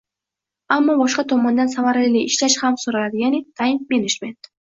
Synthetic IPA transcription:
amːɒbɒʃqɑt̪ʰɒmɒnd̪ansamaɾlɪliʔɪʃlaʃhamsoɾalad̪ɪjanɪt̪ʰajɪnme̞ned͡ʒme̞nt̪

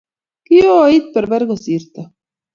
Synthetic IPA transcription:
kioait̪̚peɾbeɾɣosiɾt̪a

